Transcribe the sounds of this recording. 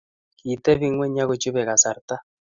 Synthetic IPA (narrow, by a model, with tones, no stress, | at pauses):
ki˨tɛ˦βi˦ŋwɛ˦ɲa˦ɣo˦t͡ʃu˦βɛ˨ɣa˨sa˨ɾta˦